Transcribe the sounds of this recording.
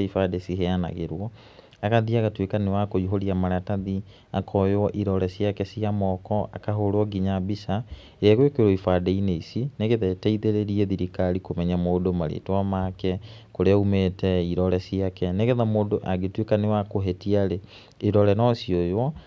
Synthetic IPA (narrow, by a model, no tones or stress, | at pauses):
ifadesiheana̰ɣeɾwɔ | aɣaðiaɣatwekanewakoiɦoɾiamaɾataði | akʰɔjwɔʔiɾɔɾɛsiakɛsiamɔkɔʔa̰kaɦoɾwɔɡiɲabisa | eɛɣwekeɾɔifadɛineisineɣeðɛtɛiðeɾeɾiɛðiɾikaɾikomɛɲamoːdomaɾḛːtowamakɛkoɾeaumeːtɛiɾɔɾɛsiakɛneɣeðamoːdoʔaɡetwekanewakoɦetiaɾe | iɾɔɾɛnɔsiɔjwɔ